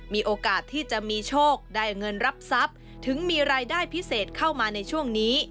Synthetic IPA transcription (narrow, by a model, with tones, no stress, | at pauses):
miː˧ʔoː˧kaː˨˩t̪ʰːiː˥˩t͡ɕa˨˩ʔmiː˧t͡ɕʰoː˥˩k̚daː˥˩jŋɤ˧nɾa˦˥p̚sa˦˥p̚ | t̪ʰɯ˩˦ŋmiː˧ɾaː˧jdaː˥˩jpʰi˦˥seː˨˩t̪̚kʰa˥˩wmaː˧na˧jt͡ɕʰu˥˩əŋniː˦˥